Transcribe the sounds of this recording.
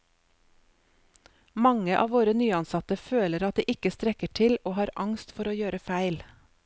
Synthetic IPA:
mɑŋəʔɑ̰ːʋoːɾənyːɑnsɑt̪əføːləɾɑt̪̚d̪iːʔɪkəst̪ɾɛkəʈʰɪloːhɑːɾɑŋst̪fɔɾoːjøːɾəfæɪl

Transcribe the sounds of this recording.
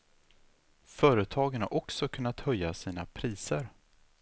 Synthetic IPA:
fœːɾət̪ʰɑːɡəna̰ʔɔksɔkʰɵnːat̪hœjːasiːna̰pʰɾiːsəɾ

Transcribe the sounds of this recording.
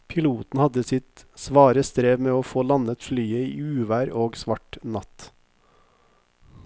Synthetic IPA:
pʰɪluːt̪n̩hɑd̪əsɪt̪sʋɑːɾəst̪ɾeːʋmeːoːfoːlɑnət̪flyːəiːʉːʋæːɾoːɡsʋɑʈnɑt̪

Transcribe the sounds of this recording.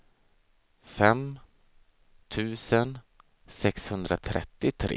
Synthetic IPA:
fɛm | t̪ʰʉ̟ːsən | sɛkshɵnd̪ɾat̪ʰɾʔɛ̰t̪ːɪt̪ʰɾḛː

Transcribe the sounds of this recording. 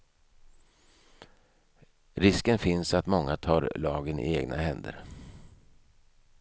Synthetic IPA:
ɾɪskənfɪnsat̪mɔŋːat̪ʰɑːɾlɑːɡənɪ̰eːɡnʔa̰hɛnd̪ə̰ɾ

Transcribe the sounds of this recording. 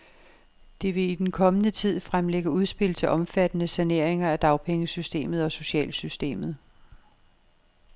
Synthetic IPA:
d̥e̝ʋe̝id̥enkʰɒ̽mənət͡sʰið̞̰ˠfʁamleɡ̥əuð̞ˠsb̥e̝l̰t͡sʰe̝ʔɒ̽mfæd̥ənəsæne̝ɐ̰eŋɐæd̥ɑ̈ʊpʰeŋəsysd̥e̝̰ːmð̞̩ˠɒ̽so̝ɕɛ̰ːlsysd̥e̝̰ːmð̞̩ˠ

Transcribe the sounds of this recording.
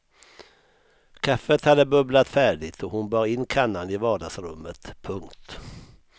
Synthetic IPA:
kʰafət̪had̪ːəbɵblat̪fæːɖɪɡt̪ɔhʊnbɑːɾɪnːkʰanːanɪvɑːɖasɾɵ̰mːət̪pʰɵŋkt̪

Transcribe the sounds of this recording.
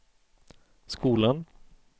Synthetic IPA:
skuːlan

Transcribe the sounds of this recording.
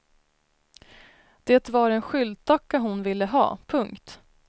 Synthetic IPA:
d̪̥eːt̪vaɾɛnɧʏld̪̚t̪ʰakːaɦʊnvɪlːəɦɑ̰ːpʰɵŋkt̪

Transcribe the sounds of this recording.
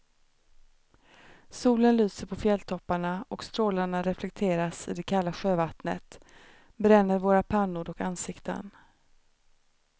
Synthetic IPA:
suːlənlyːsəɾpʰɔfjɛlt̪ʰɔpːaɳaɔkst̪ɾoːlaɳaɾɛflɛk̚t̪ʰeːɾasɪ̰d̪ɛkʰalːaɧøːvat̪nə̰t̪ | bɾɛnːəɾvoːɾapʰanːʊɾɔkansɪkt̪ə̰n

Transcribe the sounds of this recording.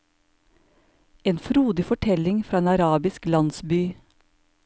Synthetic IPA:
eːnfɾuːd̪ɪfɔʈʰɛlɪŋfɾɑːeːnɑɾɑːbɪsklɑnsbyː

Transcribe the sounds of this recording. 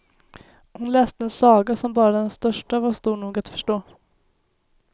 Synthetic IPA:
hʊnlɛːst̪əɛnsɑːɡasɔmbɑːɾad̪ɛnst̪œʂʈavast̪uːɳuːɡat̪fœ̥ʂʈoː

